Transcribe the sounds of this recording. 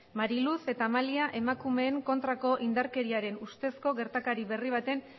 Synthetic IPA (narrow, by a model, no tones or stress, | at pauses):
maɾiluse̞t̪amaliaʔe̞makume̞ːŋko̞nt̪ɾako̞ʔind̪aɾke̞ɾiaɾe̞nust̪e̞sko̞ɣe̞ɾt̪akaɾiβe̞riβ̞at̪e̞n